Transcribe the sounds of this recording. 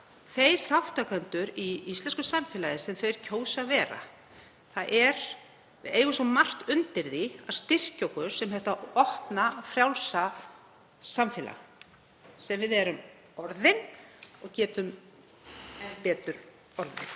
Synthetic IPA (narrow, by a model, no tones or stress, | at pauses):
θejɾ̥θawht̪akant̪ʏɾiist̪lɛnskʏ̥samfɪːlaðɪsɛmθejɾ̥cʰoːwsavɛːɾa̰ | θaʔɛɾ | ejɣʏsɔmar̥t̪ʏnt̪ɪɾðiaðst̪ɪr̥cowkʏɾ̥sɛmhɛht̪aɔhpnafɾjawlsa | samfɪːla̰ | sɛmvɪðɛɾʏm | ɔɾðɪnɔɣcɛːt̪ʏm | ɛpɛːt̪ʏɾ | ɔɾðɪ̰̥